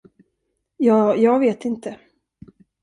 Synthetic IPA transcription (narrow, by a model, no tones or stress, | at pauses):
jɑːjɑːɡveːt̪ɪnt̪ə